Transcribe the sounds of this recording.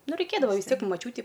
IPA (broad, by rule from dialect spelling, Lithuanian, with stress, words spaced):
ˈnʊ rɐɪˈkʲeːdɐʋoː ʋʲɪs ˈtʲiɛk ɪ mɐˈt͡ʃʲuːtʲɪ